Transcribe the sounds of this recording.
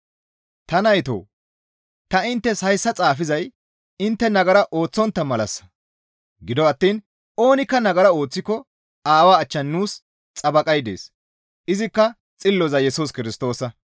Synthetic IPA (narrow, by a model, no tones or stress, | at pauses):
t̪ɐnɐjt̪o̰ː | t̪ɐɪnt̪ːɛshɐjsːɐt͡sʼaːfɪzɐj | ɪnt̪ːɛnɐɡɐɾɐʔo̞ːt͡sːɔnt̪ːɐmɐlɐ̰sːɐ̥ | ɡɪd̪ɔɐt̪ːiːn | o̞ːnɪkːɐnɐɡɐɾɐo̞ːt͡sːɪkːɔ | aːwaːt͡ʃːɐnːuːs | t͡sʼɐbɐkʼɐjd̪eːs | ɪzɪkːɐ | t͡sʼɪlːɔzɐjɛsuːskɪɾɪst̪o̞ːsɐ